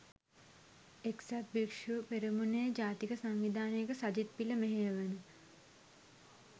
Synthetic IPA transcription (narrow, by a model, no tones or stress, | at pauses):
eksat̪̚bikʂupeɾimuneəd͡ʒaːt̪ikəsaŋʋid̪aːnekəsad͡ʒit̪̚piləmeɦeʋənu